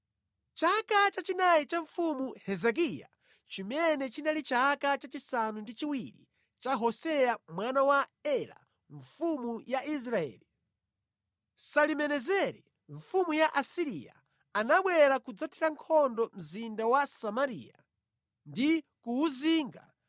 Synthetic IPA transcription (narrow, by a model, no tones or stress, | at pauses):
t͡ʃakat͡ʃat͡ʃinajit͡ʃaɱfumuhɛzɛk̬ija̰ | t͡ʃimɛnɛt͡ʃinalit͡ʃakat͡ʃat͡ʃisanundit͡ʃiwiɾḭ | t͡ʃaɦɔsɛjamwanawaɛɾa̰ | ɱ̩fumujaʔis̬ɾaɛ̰ːli | salimɛnɛzɛɾi | ɱfumujaʔasiɾḭja̰ | anaɓwɛɾakud͡zatʰiɾaŋkʰɔndɔm̩zindawasamaɾḭja | ndikuːziːŋɡa̰